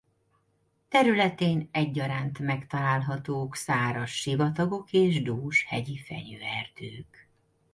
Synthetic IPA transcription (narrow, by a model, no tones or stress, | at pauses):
t̪ɛɾylɛt̪eːnɛɟːɒɾaːnt̪mɛkt̪ɒlaːlɦɒt̪oːksaːɾoʃːivɒt̪ɒɡo̞keːʒd̪oːʃhɛɟifɛ̰ɲøːɛrd̪øːk